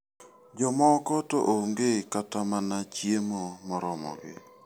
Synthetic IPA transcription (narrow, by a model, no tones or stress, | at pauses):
d͡ʒɔmɔkɔtɔ̰ʔoŋɡekatamanat͡ʃjemomɔɾɔmɔ̰ɡɪ̰